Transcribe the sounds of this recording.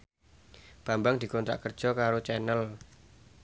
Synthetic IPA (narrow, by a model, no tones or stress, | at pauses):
b̥a̤mbaŋd̪̥i̤kɔnt̪ɾa̰ʔkər̥ʒ̥ɔ̤kaɾot͡ʃɛnəl